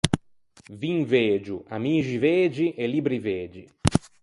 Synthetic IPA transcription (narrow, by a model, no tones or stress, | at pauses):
vĩŋved͡ʒuamiʒived͡ʒiʔelibɾiveːd͡ʒi